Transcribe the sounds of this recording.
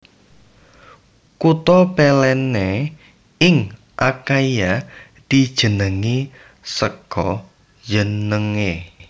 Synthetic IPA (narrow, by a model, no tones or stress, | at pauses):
kut̪ɔpɛlɛne | ɪŋ | ʔakaja | d̪̥id̥ʒ̥ə̤nəŋi | səkɔ | jənəŋe